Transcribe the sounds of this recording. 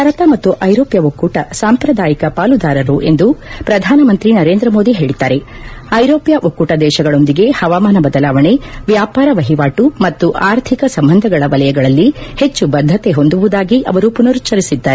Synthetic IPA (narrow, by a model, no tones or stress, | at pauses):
ɐɾɐt̪ɐmɐt̪ːuʔɐjɾoːpjɐokːuːʈɐsaːmpɾɐd̪aːjikɐpaːlud̪aːɾɐɾuʔe̞nd̪upɾɐd̪ʱaːnɐmɐnt̪ɾinɐɾe̞ːnd̪ɾɐmo̞ːd̪iɦe̞ːɭid̪ːaːɾe̞ | ɐjɾoːpjɐʔokːuːʈɐd̪ɛːʃɐɡɐɭo̞nd̪iɡe̞hɐʋaːmaːnɐbɐd̪ɐlaːʋɐɳe̞ʋjaːpaːɾɐʋɐɦiʋaːʈumɐt̪ːuʔaːɾt̪ʰikɐsɐmbɐnd̪ʱɐɡɐɭɐʋɐlɐjɐɡɐɭɐlːihe̞t͡ʃːubɐd̪ʱːɐt̪e̞ɦo̞nd̪uʋud̪aːɡiʔɐ̰ʋɐɾupunɐɾut͡ʃːɐɾisid̪ːaːɾe